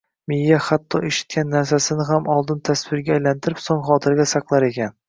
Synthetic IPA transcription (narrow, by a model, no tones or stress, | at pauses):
mɪjːaχat̪ʰːɒʔeʃɪ̥t̪̚kʲʰanːaɾs̬asɪnɪɦamɒlˠd̪ɪnt̪ʰasvɪɾɡʲaːjlant̪ʰɪɾɪpsoŋχɒt̪ʰɪɾɡʲasaqlˠaɾe̞kʲan